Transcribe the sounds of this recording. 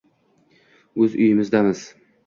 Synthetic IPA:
ɵzʊ̰jɪmɪzd̪amɪz̥

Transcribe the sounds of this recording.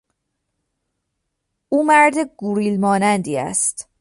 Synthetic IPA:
uːmæɾd̪eɡuɾiːlmɒːnænd̪iːæ̰st̪

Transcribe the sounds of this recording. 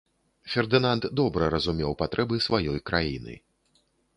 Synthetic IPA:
fʲɛrd̪ɨnant̪d̪ɔbɾɐɾɐzumʲɛwpat̪ɾʔɛbɨsvajɔjkɾajinɨ̰

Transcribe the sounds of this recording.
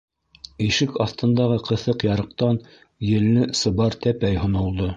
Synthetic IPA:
iʃɘkɑθt̪ɤ̆nd̪ɑʁɤqʰɤ̆θɤqjɑɾɤ̆q̚t̪ɑn | jɘ̆lːɘsɤ̆bɑɾt̪æpæjhŏnɤ̆lˠd̪ɤ

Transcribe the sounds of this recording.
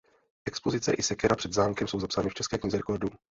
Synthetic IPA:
ʔɛkspo̞zɪt͡sɛʔɪsɛkɛɾapr̥ɛd̪zaːmkɛmso̞wzapsaːnɪft͡ʃɛskɛːkɲɪzɛɾɛko̞ɾdu

